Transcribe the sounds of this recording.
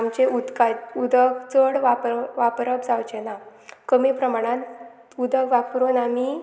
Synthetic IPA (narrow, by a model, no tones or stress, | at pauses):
amt͡ɕeʔud̪kaud̪əkt͡səɽʋapʋapɾəbd͡zawt͡ɕɛnakəmipɾəmaɽ̃ãn | ud̪ʱəkʋapɾunami